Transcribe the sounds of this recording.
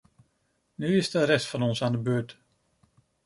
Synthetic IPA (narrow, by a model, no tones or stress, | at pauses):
nyɪsdəɾɛstfɑnɔnsaːndəbøːɹt